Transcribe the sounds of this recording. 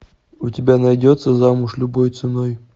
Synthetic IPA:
ʊtʲɪbʲanɐjdʲot̪sːəzamʊʂlʲʊbojt̪sɨnoj

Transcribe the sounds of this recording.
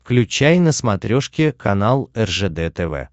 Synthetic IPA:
fklʲʉt͡ɕæjnəsmɐt̪ɾʲoʂkʲɪkʰɐnalˠɛrʐɛd̪ɛt̪ɛvɛ̰

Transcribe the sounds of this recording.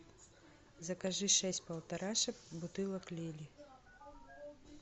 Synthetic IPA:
zɐkaʐɨʂɛsʲtʲpɐlˠt̪ɐɾaʂɐkbut̪ɨlˠɐklʲelʲi

